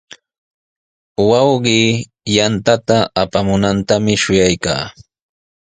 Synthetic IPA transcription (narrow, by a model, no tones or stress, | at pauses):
wɑwɢiː | jant̪at̪aːpamʊnant̪amɪʃʊjajka̰ː